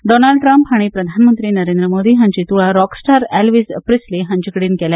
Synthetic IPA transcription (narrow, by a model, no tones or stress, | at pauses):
ɖoːnaːɭɖʈɾɾɐmpɦɐɳ̃ipɾɐd̪ʱaːnɐmɐnt̪ɾinɐɾeːnd̪ɾɐmoːd̪iɦɐɲt͡ʃit̪uɭɐɾɔːksʈaːɾelʋispɾisliɦɐɲt͡ʃukɐɽinkɛle